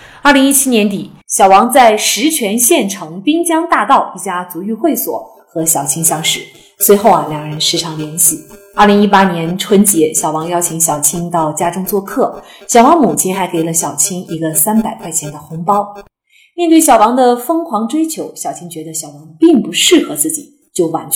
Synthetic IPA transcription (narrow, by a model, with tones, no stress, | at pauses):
ə˞˥˩li˧˥ŋi˥t͡ɕʰi˥njɛ˧˥nt̪i˨˩ | ɕjɑ˨˩ʊwɑ˧˥ŋt͡sa˥˩ɪʂɻ̩˧˥t͡ɕʰɥɛ˧˥nɕjɛ˥˩nʈ͡ʂʰɤ˧˥ŋpi˥ŋt͡ɕjɑ˥ŋt̪a˥˧t̪ɑ˥˧ʊi˥˩t͡ɕja˥t͡su˧˥y˥˧xwe˥˩ɪswɔ̰˨˩˦ | xɤ˧˥ɕjɑ˨˩ʊt͡ɕʰi˥ŋɕjɑ˥ŋʂɻ̩˥˩ | swe˧˥ɪxo˥˩ʊɐ˩ljɑ˨˩ŋɻə˧˥nʂɻ̩˥˩ʈ͡ʂʰɑ˧˥ŋljɛ˧˥nɕi˨˩ | ə˞˥˩li˧˥ŋi˥pa˥njɛ˧˥nʈ͡ʂʰwə˥nt͡ɕjɛ˧˥ɕjɑ˨˩wɑ˧˥ŋjɑ˥ʊt͡ɕʰi˧˥ŋɕjɑ˨˩ʊt͡ɕʰi˥ŋt̪ɑ˥˩ʊt͡ɕja˥ʈ͡ʂʊ˥ŋt͡swɔ˥˧kʰɤ˥˩ɕjɑ˨˩ʊwɑ˧˥ŋmu˨˩t͡ɕʰi˥nxa˧˥ɪke˧˥ɪlə˦ɕjɑ˨˩ʊt͡ɕʰi˥ŋi˧˥ɡə˧sa˥npa˨˩ɪkʰwa˥˩ɪt͡ɕʰjɛ˧˥nd̪ə˨xʊ˧˥ŋpɑ˥ʊ | mjɛ˥˧nt̪we˥˩ɪɕjɑ˨˩ʊwɑ˧˥ŋd̪ə˨fɤ˥ŋxwɑ˧˥ŋʈ͡ʂwe˥ɪt͡ɕʰjo˧˥ʊɕjɑ˨˩ʊt͡ɕʰi˥ŋt͡ɕɥɛ˧˥d̪ə˧ɕjɑ˨˩ʊwɑ˧˥ŋpi˥˩ŋpu˧˥ʂɻ̩˥˩xɤ˧˥t͡sɹ̩˥˩t͡ɕi˨˩ | t͡ɕjo˥˩ʊwa˧˥nt͡ɕ